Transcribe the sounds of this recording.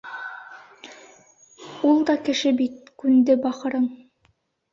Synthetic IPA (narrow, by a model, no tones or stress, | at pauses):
ulˠd̪ɑkɘ̆ʃɘbit̪̚kʉnd̪ɘbɑχɤ̆ɾɤɴ